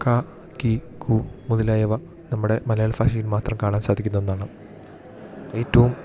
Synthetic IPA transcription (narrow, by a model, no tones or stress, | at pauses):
kaː | ki | kʰumuðilaːjɐʋɐ | nɐmːuɽe̞mɐlɐjaːɭfaːʂijinmaːt̪rɐmkaːɳaːnsaːd̪ʱikʲːunːɐenːaːɳɨ | ejtːɐʋum